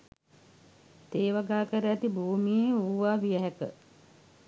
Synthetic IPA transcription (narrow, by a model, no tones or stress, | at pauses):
t̪eːʋaɡaːkəɾəæt̪ibʱuːmijeuːʋaːʋijəɦɛkə̰